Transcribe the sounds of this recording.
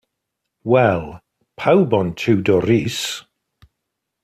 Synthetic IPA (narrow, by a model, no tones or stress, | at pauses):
wɛlˠ | pʰawbɔntʰʉwdɔɾis